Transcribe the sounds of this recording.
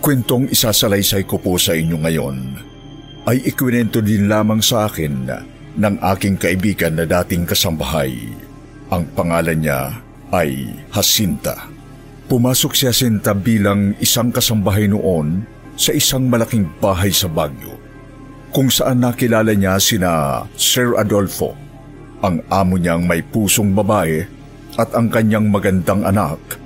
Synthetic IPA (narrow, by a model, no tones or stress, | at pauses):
kwɛnt̪o̞ŋɪsaːsɐlɐjsajkoposɐʔɪɲːo̞ŋɐjo̞̰n | ʔɐjʔɪkwɪnɛnt̪od̪ɪnlaːmɐŋsɐʔaːkɪnː | ɐŋʔa̰ːkɪŋkɐʔɪbiːɡɐnːɐd̪aːt̪ɪŋkɐsɐmbɐɦa̰j | ʔɐŋpɐŋaːlɐnɲa̰ | ʔɐjhɐsint̪ɐ̰ | pʊmaːso̞k̚sihɐsint̪ɐbiːlɐŋɪsaŋkɐsɐmbɐɦajno̰ʔo̞n | sɐʔɪsaŋmɐlɐkiŋbaːɦɐjsɐbaɡjo̰ | kʊŋsɐʔanːɐkɪlaːlɐɲasɪnasɛɹɐ̰d̪olfo̞̰ | ʔɐŋʔaːmoɲaŋmɐjpuːso̞ŋbɐbaːʔɛ | ʔɐt̪ɐŋkɐɲːaŋmɐɡɐnd̪aŋʔɐnak̚